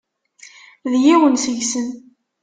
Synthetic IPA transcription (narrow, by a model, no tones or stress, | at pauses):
ðjiwənsəʝsən